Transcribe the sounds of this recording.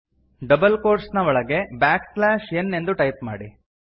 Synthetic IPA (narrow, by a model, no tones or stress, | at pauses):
ɖɐbɐlkoːɾsnɐʋɔɭɐɡe̞baːkklaːʃenːe̞nd̪uʈɐjpma̰ːɽi